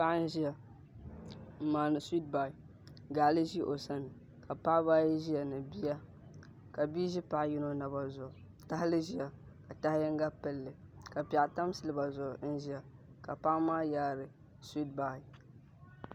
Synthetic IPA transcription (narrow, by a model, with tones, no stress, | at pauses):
pa˦ʔn̩˦ʒi˦a˨ | maː˨nɨ˨si˦t̚ba˨i˨ | ɡa˨˦li˦ʒi˦ʔo˨sa˦n˨ | ka˨pa˦ʔbaː˦ji˦ʒi˦ja˨nɨ˨bi˦a˦ | ka˨bi˦ʒi˦pa˨ʔji˦no˦na˨ba˨zʊ˨ | ta˦hɪ˦lɨ˦ʒi˦a˨ | ka˨ta˦hɪ˦jɛ˦ŋ˦ɡa˦pɨ˦lːɨ˨ka˨pa˨ʔta˦m˦sɨ˨lɨ˦ba˨zʊ˨ʔn̩˦ʒi˦ja˨ | ka˨pa˦ʔmaː˦jaː˦ɾɨ˨ | si˦t̚ba˨i˨